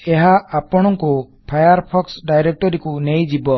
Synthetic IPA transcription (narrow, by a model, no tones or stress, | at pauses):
eɦaapɔɽ̃ɔŋku | pʰajaɾpʰɔksɖajɾek̚ʈɔɾikunejd͡ʒibɔ